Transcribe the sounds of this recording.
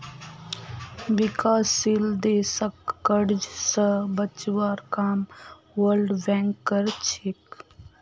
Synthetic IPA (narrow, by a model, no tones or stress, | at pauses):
ʋɪkaːsːild̪eːsəkːəɽd͡ʒsəbət͡ʃʋaːɾkaːm | ʋəlɖbɛ̃ːŋkːəɾt͡ʃʰɪk